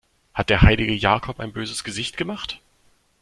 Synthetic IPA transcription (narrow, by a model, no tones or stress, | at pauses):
hat̚d̥eːɐhaɪlɪɡəjaːkʰɔpaɪnbøːzəsɡ̥əzɪçtɡ̥əmaχt